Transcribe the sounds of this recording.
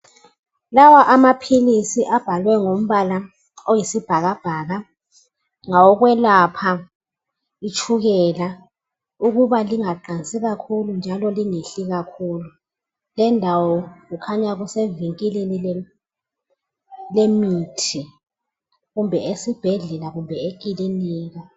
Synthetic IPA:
lawaʔamapʰilisiʔab̥ʱalwɛŋom̩βala | ojisib̥ʱaɣab̥ʱaːɣa | ŋawɔɣwɛlapʰa | it͡ʃʰʼuɣɛla | uɣuβaliŋaǃant͡sʼiɣakʰulund͡ʒʱalɔliŋeɬiɣakʰuːlu | lɛndʱawɔɣukʰaɲaɣuseviŋkʼilinilɛ | lemitʰi | ɣumbʱɛesib̥ʱɛɮɛlaɣumbʱɛek̬ʼiliniːɣa

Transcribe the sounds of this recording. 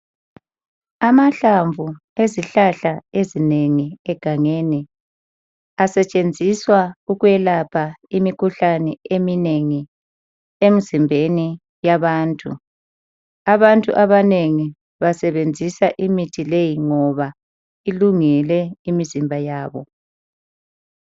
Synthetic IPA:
amaɬaɱvu | eziɬaɬaezineŋiɛɡ̥ʱaŋeːni | asɛt͡ʃʼend͡zʱiswauɣuɛlapʰaimikʰuɬanɛemineŋi | emizimbʱeni | jaβaːntʼṵ | aβantʼṵʔaβaneŋi | βasɛβend͡zʱisaʔimitʰilejiŋɔβa | iluŋilɛimizimbʱajaːβɔ

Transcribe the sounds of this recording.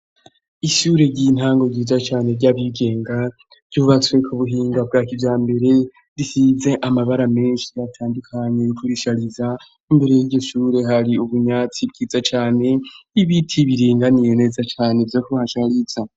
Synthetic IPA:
iʃuːɾe̞ɟin̥haːŋɡo̞ɟiːzat͡ʃaːne̞ɾɟaβiɡe̞ːŋɡa | ɾɟuːβat͡swe̞kʰuβuɦiːŋɡab̚ɡaːkivjaːmbe̞ɾe̞ | ɾihize̞ʔamaβaɾame̞ːnʃijatʰaːndukʰaɲe̞kʰuɾiʃaɾiza | imbe̞ɾe̞jiɾɟoʃuːɾe̞ɦaɾiuβuɲat͡sib̚ɡiːzat͡ʃaːne̞iβitʰiβiɾiːŋɡanije̞ne̞ːzat͡ʃaːne̞vjokuβahaʃaɾiz̥a

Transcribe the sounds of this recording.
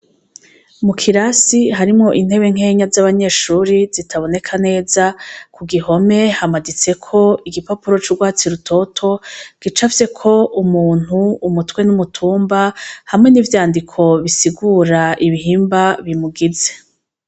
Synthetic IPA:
mukʰiɾasiɦaɾimŋo̞ʔin̥he̞βe̞ŋ̥e̞ːɲazaβaɲe̞ːʃuɾizitʰaβo̞ne̞kʰane̞ːzakʰuɡiɦo̞me̞hamadit͡se̞kʰo̞iɡipapuɾo̞t͡ʃuɾɡwaːt͡siɾutʰo̞tʰo̞ɡ̥it͡ʃafse̞kʰo̞umuːn̥huumutwe̞numutʰuːmbahamŋe̞nivjaːndikʰo̞βisiɡuːɾaʔiβiɦiːmbaβimuɡize̞̥

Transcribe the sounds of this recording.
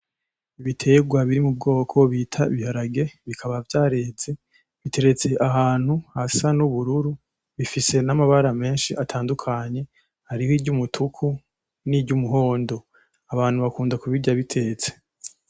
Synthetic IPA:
iβitʰe̞ɡwaβiɾimub̚ɡo̞ːkʰo̞βiːtʰaiβihaɾaɡe̞βikʰaβavjaːɾe̞ːze | βitʰe̞ɾe̞t͡se̞ʔaɦaːn̥huhasanuβuɾuɾu | βifise̞namaβaɾame̞ːnʃiʔatʰaːndukʰaɲe̞ | haɾihiɟumutʰukʰu | niɾɟumuɦo̞ːndo̞ | aβaːnhuβakuːndakuβiɟaβitʰe̞t͡se̥

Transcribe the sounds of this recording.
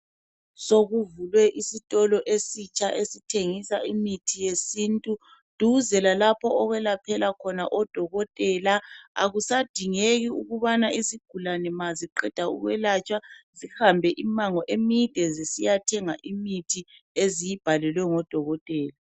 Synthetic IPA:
soɣuvulwɛʔisitʼɔlɔʔesit͡ʃʼʰaʔesitʰeŋisaʔimitʰijesintʼu | d̥ʱuzɛlalapʰɔɔɣwɛlapʰɛlakʰɔna̰ʔɔd̥ʱɔɣɔtʼɛlaa̰ɣusad̥ʱiŋeɣiuɣuβanaʔiziɡ̥ʱulanɛmaziǃɛd̥ʱaṵɣwɛlat͡ʃʼwazihambʱɛʔimaŋɔʔemid̥ʱɛzisijatʰɛŋaʔimitʰi | ezijib̥ʱalɛlwɛŋɔd̥ʱɔɣɔtʼɛːla

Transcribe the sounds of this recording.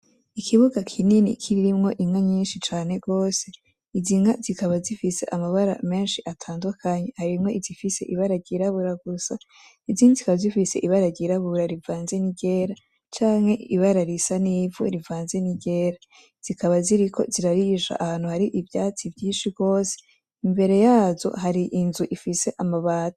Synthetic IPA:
ikʰiβuɡakʰininḭkʰiɾiɾimŋo̞ʔimŋaɲiːnʃit͡ʃaːne̞ɡo̞ːse̞ | izimŋazikaβazifise̞ʔamaβaɾa̰me̞ːnʃiʔatʰaːndukʰaɲe̞haɾimŋo̞izifise̞̰ʔiβaɾaɟiɾaβuɾaɡusa | iziːnizikaβzifise̞̰ʔiβaɾaɟiɾaβuɾaɾivaːnze̞niɟe̞ːɾa | t͡ʃaːŋhe̞iβaɾaɾisaniːvuɾivaːnze̞niɟe̞ːɾa | z̥ikaβaziɾiko̞̰ziɾaɾiʒa̰ʔahaːn̥uhaɾiʔivjaːt͡sivjiːnʃiɡo̞ːse̥ | imbe̞ɾe̞jaːzo̞̰ɦaɾiʔinzuʔifise̞ʔamaβaːtḁ

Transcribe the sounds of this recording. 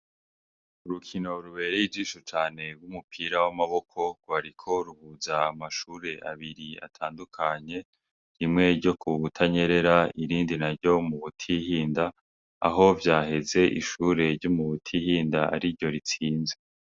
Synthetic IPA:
uɾukʰino̞ɾuβe̞ːɾejivd͡ʒiːʃot͡ʃaːne̞ɡwumupʰiːɾawamaβo̞kʰo̞ɡɡwaɾikʰo̞ɾuhuzaːmaʃuːɾe̞ʔa̰βiɾia̰tʰaːndukʰaɲe̞ | ɾimŋe̞ɾɟo̞kʰuβutʰaɲe̞ɾe̞ɾaiɾiːndinaɾjo̞muβutʰihiːnda̰ː | ɦo̞vjaːhe̞ze̞ʔiʃuːɾe̞ɾɟomuβutʰihiːndaa̰ɾiɾɟo̞ɾit͡siːnze

